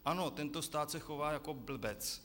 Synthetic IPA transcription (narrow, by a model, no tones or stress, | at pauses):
ʔano̞t̪ɛnt̪ost̪aːt̪sɛxo̞vaːjako̞bl̩bɛt͡s